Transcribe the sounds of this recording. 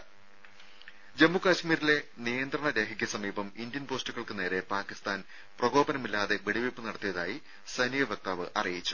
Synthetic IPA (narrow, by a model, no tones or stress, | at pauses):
d͡ʑemːukaːɕmiːɾile̞nijɐnd̪rɐɳɐɾe̞ːkʰikʲːɐsɐmiːbɐmind̪jɐnpo̞ːstuɣɐɭkɨne̞ːɾe̞paːkist̪aːn | prɐɡo̞ːbɐnɐmilːaːðe̞ʋeɽiʋipːɨnɐɽɐt̪ːijɐðaːji | sɐnijɐʋjɐk̚t̪aːʋɨʔɐ̰rijit͡ɕːu̥